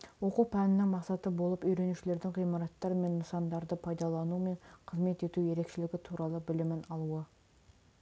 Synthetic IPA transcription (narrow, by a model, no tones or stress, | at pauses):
wo̞qupʰænɪnɪŋmɑqsɑt̪əbo̞lˠəpɵjɾe̞nuʃɪle̞ɾd̪ɪŋʁijmɑɾɑt̪ːɑɾme̞nːəsɑnd̪ɑɾd̪əpʰɑjd̪ɑlˠɑnume̞ɴqʰəzme̞t̪e̞t̪uje̞ɾe̞kʃelɪɡʲɪt̪ʰuɾɑlˠəbɪlɪmɪnɑlˠuə